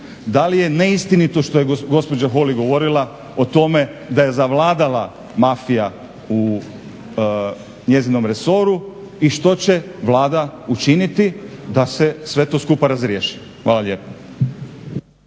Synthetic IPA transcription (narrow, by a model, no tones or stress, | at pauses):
d̪alije̞neist̪init̪oʃt̪o̞jeɡo̞spo̞d͡ʑaxo̞liɡo̞ʋo̞ɾilˠa | ot̪o̞me̞d̪aje̞zaʋlˠaːd̪ala | mafija | u | ɲe̞zino̞mɾe̞so̞ɾu | iʃt̪o̞t͡ɕe̞ʋlaːd̪aut͡ʃinit̪id̪ase̞sʋe̞t̪o̞ːskupaɾazɾjeːʃi̥ | xʋaːlalʲe̞ːpo̥